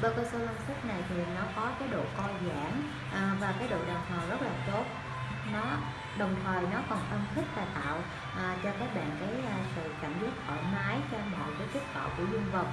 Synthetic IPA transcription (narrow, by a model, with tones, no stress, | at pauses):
ɓəː˧kə˧so˧lə˧msfʊ˦˥k̚na˨˩jt̪ʰi˨˩˨nɔ˨˦kɔ˨˦kaː˨˦jɗo̰˧˨kɔ˧zaː˧˩ŋ | ʔvaː˨˩kaː˨˦jɗo̰˧˨ɗa˨˩k̚hɔː˨˩wzə˦˥t̚laː˨˩t̪o˦˥t̚ | nɔ˨˦ | ɗə˨˩wŋ͡mt̪ʰəː˨˩jnɔ˨˦kɔ˨˩nʔə˧nt̪ʰï˦˥k̚t̪aː˨˩jt̪a̰ː˧˨w | ʔːt͡ɕɔ˧kaː˦˥k̚ɓa̰ː˧˨nkaː˨˦jsɨ̰˧˨ka˧˩n̟zi˦˥k̚hɔ˧˩jmaː˨˦jt͡ɕaː˧mɔ̰˧˨jkaː˨˦jki˦˥t̚t̪a̰ː˧˨wku˧˩əzu˧ŋvə˨˩k͡p̚